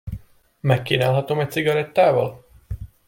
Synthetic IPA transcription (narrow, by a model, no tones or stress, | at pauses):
mɛkːiːnaːlɦɒt̪omɛc̪̚siɡɒɾɛt̪ːaːvɒl